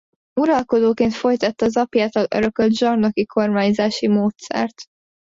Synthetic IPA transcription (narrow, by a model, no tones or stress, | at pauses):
uɾɒlko̞d̪oːkeːnt̪fo̞jt̪ɒt̪ːɒːzɒpjaːt̪ɒløɾøkøld̪ʒɒrnokikʰo̞rmaːɲzaːʃimoːt̪sɛ̰rt̪